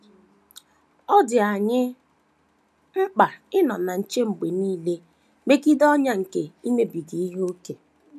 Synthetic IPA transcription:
ɔ˦dɪ˨a˨ɲɪ˦ | ŋ͡m̩˦k͡pa˨ɪ˦nɔ˨na˨n̩˨t͡ʃe˦ŋ͡m̩˨ɡ͡be˨niː˦le˦ | me˦ki˦dɔ˦ɲa˦ŋ̩˨ke˨i˦me˦bi˨di˨i˦ɦo˦ke˨

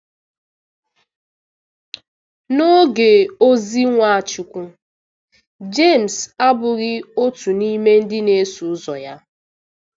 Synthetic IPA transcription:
no˦ɡe˨o˦zi˦ŋʷa˨a˨t͡ʃʊ˨kʷu˦ | d͡ʒe˦˨m̩˨sa˦bʊ˨ɣɪ˦o˦tu˨ni˦me˦n̩˦dɪ˦ne˦su˨ʊ˦zɔ˨ja˦

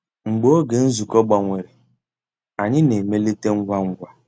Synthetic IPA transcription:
ŋ͡m̩˨ɡ͡bo˦o˦ɡe˨n̩˦zu˨kɔ˦ɡ͡ba˨ŋʷe˨ɾe˨ | a˨ɲɪ˦ne˨me˦le˦te˦ŋ̩˦ɡʷa˦ŋ̩˦ɡʷa˦

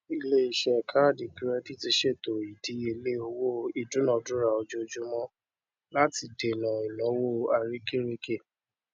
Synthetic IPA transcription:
i˧le˦i˨ʃɛ˦˨kʰa˦˨di˨ki˦ɾɛ˧ti˦ti˧ʃe˦˨to˨i˨di˨˦e˧le˦o˧wo˦˨i˨du˨˦nɔ̃˦˨dũ˦ɾa˨o˧d͡ʒo˦d͡ʒu˦mɔ̃˦ | la˦ti˧de˨nã˨i˨lɔ̃˨˦wo˦˨a˧ɾi˦ki˦ɾi˦ke˦˨

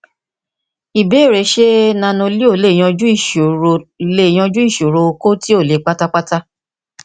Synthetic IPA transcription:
i˨be˨˦˨ɾe˨˦ʃe˦nã˧nũ˧li˦o˦˨˦le˨˦˨j̃ɔ̃˧d͡ʒũ˦i˦˨ʃo˨ɾo˧le˦˨j̃ɔ̃˧d͡ʒũ˦i˦˨ʃo˨ɾo˧ko˦ti˦o˦˨le˨˦k͡pa˦ta˦k͡pa˦ta˦

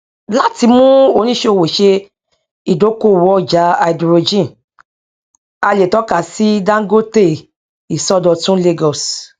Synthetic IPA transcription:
la˦ti˧˦mũ˦o˧˨nĩ˦ʃe˦o˨˧˨wo˨ʃe˧ | i˨do˨˦ko˦˨wɔ˦d͡ʒa˨˦a˧˨i˨dɾo˧d͡ʒĩ˦˨n | a˧le˨tɔ˨˦ka˦˨si˦dã˦ɡo˦te˦˨ | i˨sɔ˦dɔ˧tũ˦le˦˧ɡɔ˨s

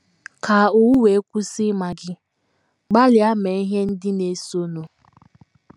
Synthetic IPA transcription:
ka˨u˨wu˦we˨˦kʷu˦sɪ˦ma˨ɡɪ˦ | ɡ͡ba˦lɪ˨a˦me˨i˦ɦe˦n̩˦dɪ˦ne˨so˦no˨

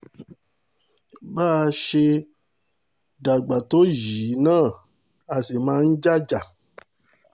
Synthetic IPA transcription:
baː˦˨ʃe˧ | da˨ɡ͡ba˨to˦jiː˨˦nãː˦˨ | a˨se˨mãː˧˦n̩˦d͡ʒa˦d͡ʒa˨

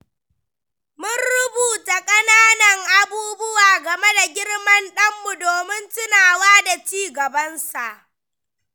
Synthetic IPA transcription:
mʊ˦nɽʊ˦buː˨ta˨kʼɐ˦naː˦nɐ˨ŋʔa˨buː˦bʊ˦waː˨ɡɐ˨me˦da˨ɡʲɪ˦ɽmɐ˦nɗɐ˦mːu˨doː˨mɪ˦ntʊ˦naː˨waː˦da˨t͡ʃiː˦ɡɐ˨bɐ˦nsa˨ʔ

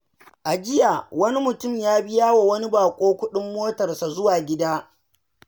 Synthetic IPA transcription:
ʔa˨d͡ʒɪ˦ja˨wɐ˦ni˦mʊ˨tʊ˦˨mjaː˦bɪ˦jaː˦wa˨wɐ˦ni˦baː˨kʷʼoː˦kʷʊ˦ɗɪ˦mːoː˦tɐ˨rsa˨zʊ˦waː˨ɡʲɪ˦daː˦

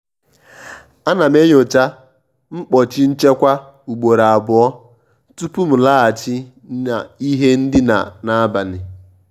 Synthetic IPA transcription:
a˦na˨me˦ɲ˦o˨t͡ʃa˦ | ŋ͡m̩˦k͡pɔ˨t͡ʃɪ˦n̩˦t͡ʃe˦kʷa˦ | u˨ɡ͡bo˨ɾa˨a˨bʊ˨ɔ˦ | tu˦pu˦m̩˨la˦a˨t͡ʃɪ˦ | a˨i˦ɦe˦n̩˦dɪ˦na̰˨na˦ba˨nɪ˨

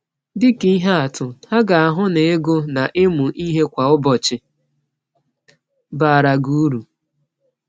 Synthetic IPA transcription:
dɪ˦ki˦i˦ɦa˦a˨tʰʊ˨ha˦ɡa˨a˨ɦʊ˦ne˨e˦ɡo˦na˨ʔɪ˦mʊ˨ʔi˦ɦe˦kʷa˨ʊ˦bɔ˨t͡ʃɪ˨ | ba˨a˨ɾa˨ɡu˦u˦ɾu˨

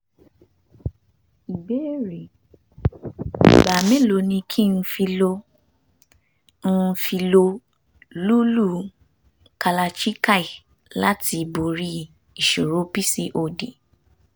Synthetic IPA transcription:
i˨be˨˦˨ɾe˨ | ba˨mẽ˦lo˧nĩ˧kʰi˦˧n̩˧fi˧lo˧ | n̩˦˧˦fi˧lo˧ | lu˦lu˦˨ | ka˧la˧t͡ʃi˦ka˦˨i˨ | la˦tʰi˧bo˨ɾi˦ | i˨ʃo˨ɾo˨˦pi˦si˧ʔo˧˨de˨

